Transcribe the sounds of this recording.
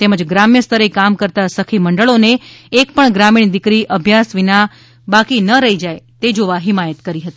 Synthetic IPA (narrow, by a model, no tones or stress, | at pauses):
t̪eməd͡ʒɡɾamjəst̪ʰəɾekamkəɾt̪asəkʰiməɳɖəɭoneːkpəɳɡɾamiɳ̃d̪ikɾiʔəbʱjasʋina | bakinəɾəid͡ʒajt̪ed͡ʒoʋaɦimajət̪kəɾiɦət̪i̥